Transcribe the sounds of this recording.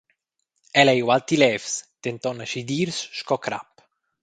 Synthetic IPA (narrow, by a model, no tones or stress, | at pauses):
ɛlɛjwalt̪ilɛfst̪ent̪ɔnaʃid̪iːɾsʃkɔkɾa̰pː